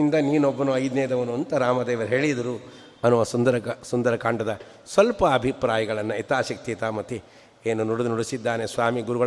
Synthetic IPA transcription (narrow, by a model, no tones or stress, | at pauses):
ind̪ɐniːnobːɐnuɐjd̪nɛːjɐd̪ɐʋɐnuɐnt̪ɐɾaːmɐd̪eːʋɐɾɦeːɭid̪ɐɾu | ɐnuʋɐsund̪ɐɾɐsund̪ɐɾɐkaːɳɖɐd̪ɐ | sʋɐlpɐːbʱipɾaːjɐɡɐɭɐnːɐit̪aːʃɐk̚t̪it̪aːmɐt̪i | eːnunuɽud̪nuɽusid̪ːaːnesʋaːmiɡuɾuɡɐ